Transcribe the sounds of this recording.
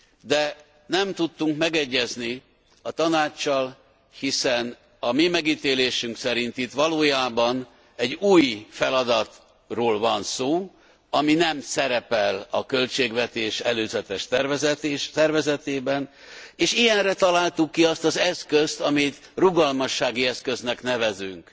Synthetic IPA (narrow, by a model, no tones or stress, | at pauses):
d̪ɛ | nɛmt̪ut̪ːuŋkmɛɡɛɟːɛzni | ɒt̪ɒnaːt͡ʃːɒl | hisɛn | ɒmimɛɡiːt̪eːleːʃyŋksɛɾint̪it̪ʋɒloːjaːbɒn | ɛɟːuːjfɛlɒd̪ɒt̪ | roːlvɒnsoː | ɒminɛmsɛɾɛpɛlɒkø̞lt͡ʃeːɡʋɛt̪eːʃɛløːzɛt̪ɛʃt̪ɛrvɛzɛt̪ːʃt̪ɛrvɛzɛt̪eːbɛn | eːʃijɛnrɛt̪ɒlaːlt̪ukːiɒst̪ɒzɛskøst̪ɒmit̪ | ruɡɒlmɒʃːaːɡiɛskø̞znɛknɛvɛzyŋk